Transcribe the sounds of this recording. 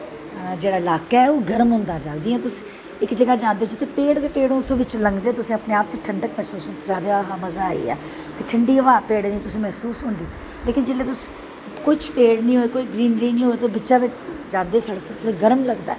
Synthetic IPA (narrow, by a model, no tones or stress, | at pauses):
d͡ʒeːɽaːɪlaːkaːɛːoːɡəɾəmɦʊ̃ːnd̪aːd͡ʒaːʋed͡ʒ̪iːãːt̪ʊsi | ɪkd͡ʒəɡaːd͡ʒãːnd̪eːt͡ʃət̪epeːɽkepeːɽõt̪ʰõːʋɪt͡ʃləŋɡd̪eːt̪ʊsĩːəpneːaːp̚t͡ʃəʈʰəɳɖəkmɛːsuːsɦʊ̃nsaːd̪eaːɦaːməzaːḭːɛ̰ː | kɪʈʰəɳɖiːəʋaːpeːɽd͡ʒĩːt̪ʊsĩːmɛːsuːsɦʊ̃ːnd̪iː | leːkɪnd͡ʒeːleːt̪ʊs | koːiːt͡ʃpeːɽnĩːɦoːeːkoːiːɡɾiːnliːnĩːɦoːeːt̪oːbɪt͡ʃaːʋɪt͡ʃd͡ʒãːd̪eːsəɽəkʰːt̪ʊsẽːɡəɾəmləɡd̪a̰ː